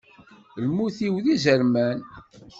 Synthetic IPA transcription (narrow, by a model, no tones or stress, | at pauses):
lmuθiwðizəɾmæn